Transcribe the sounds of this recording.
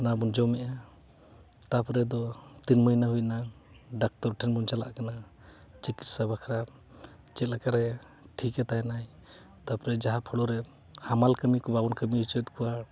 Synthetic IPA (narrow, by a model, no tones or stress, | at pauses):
nabund͡ʒɔwmɛʔa | t̪apɾɛd̪ɔt̪inməjnaɦujna | ɖak̚tɔɾʈʰɛnbunt͡ʃala̰ʔkana | t͡ʃiki̥t̪̚sabakʰɾa | t͡ʃɛt̪̚lakaɾɛ | ʈʰikɛt̪anaj | t̪apɾɛd͡ʒaɦapʰɔɽɔɾɛ | hamalkəmikɔbabɔnkəmiut͡ʃət̪̚kʰuwa